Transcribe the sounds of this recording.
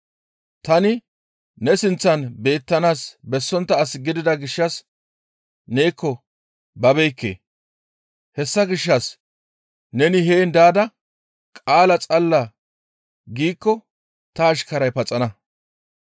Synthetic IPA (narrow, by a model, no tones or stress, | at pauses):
t̪ɐnɪ | nɛsɪnt͡sːɐnbe̞ːt̪ːɐnaːsbɛsːɔnt̪ːɐːsɪɡɪd̪ɪd̪ɐɡɪʃːɐs | ne̞ːkːɔ | bɐbejkːḛː | hɛsːɐɡɪʃːɐs | nɛnɪɦeːnd̪aːd̪ɐ | kʼaːlɐt͡sʼɐlːɐ | ɡiːkːɔ | t̪ɐːʃkɐɾɐjpɐt͡sʼɐnɐ